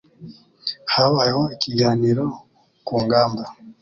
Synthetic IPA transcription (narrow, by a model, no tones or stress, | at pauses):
haβajehoikiɡaːniɾo | kuːŋɡaːmba